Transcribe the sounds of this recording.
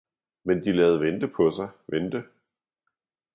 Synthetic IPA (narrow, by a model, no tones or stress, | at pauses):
mend̥ilɛːð̞̩ˠʋend̥əpʰɒ̽sɑ̈ɪʋend̥ə